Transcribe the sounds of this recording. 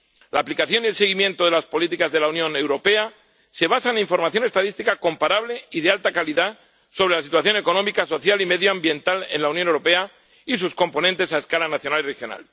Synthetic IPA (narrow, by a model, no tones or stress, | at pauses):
laːplikaθjo̞nie̞lse̞ɣ̞imjẽ̞nt̪o̞ðelaspo̞lit̪ikazðe̞launjõ̞ne̞wɾo̞pe̞a | se̞β̞asaeniɱfo̞ɾmaθjo̞ne̞st̪aðist̪ikako̞mpaɾaβle̞iðealt̪akaliða | so̞βɾe̞lasit̪waθjo̞ne̞ko̞nõ̞mikaso̞θjalime̞ðjoambje̞nt̪ale̞̰nlaunjonewɾo̞pe̞a | isusko̞mpo̞nẽnt̪e̞sae̞skalanaθjo̞nalirexjo̞na̰l